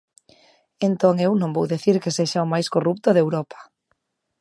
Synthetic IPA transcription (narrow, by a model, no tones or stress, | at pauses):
ent̪oŋewnõŋbowðiθiɾkeseʃaomajskorup̚t̪oðewɾɔpḁ